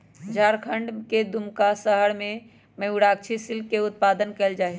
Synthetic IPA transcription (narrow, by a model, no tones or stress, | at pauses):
d͡ʒaɾkʰəɳɖked̪umkasəɦəɽmẽ | məuɽak̚t͡ʃʰisilkːeʊt̪̚pad̪ənkɛld͡ʒaːɛ